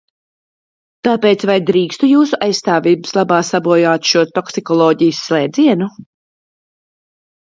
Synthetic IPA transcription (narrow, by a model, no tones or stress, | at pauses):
t̪aːpeːt̪svajd̪ɾiːkst̪ujuːsuʔajsst̪aːviːbɨslˠabaːsabuɔjaːt̪ʃuɔt̪ɔksikɔlˠɔːɟijsːlˠɛːd̪ziɛnu